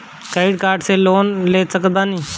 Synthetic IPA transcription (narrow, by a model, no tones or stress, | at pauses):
kəɪɖkaːɾɖseːloːnleːsəkd̪aːnĩː